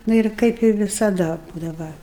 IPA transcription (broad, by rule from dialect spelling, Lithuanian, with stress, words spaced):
ˈnʊ ɪr ˈkɐɪp ɪ ʋʲɪsɐˈdɐ ˈbuːdɐʋɐ